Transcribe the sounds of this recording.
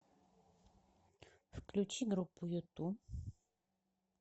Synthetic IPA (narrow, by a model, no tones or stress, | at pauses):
fklʲut͡ɕiɡɾupːujut̪u